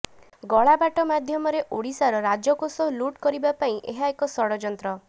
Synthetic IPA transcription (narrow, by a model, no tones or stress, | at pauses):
ɡɔɭabaʈɔmad̪ʱjɔmɔɾeʔoɽisaɾɔɾad͡ʒɔkosɔɦluʈkɔɾibapaĩʔeɦaekɔsɔɽɔd͡ʒɔnt̪ɾɔ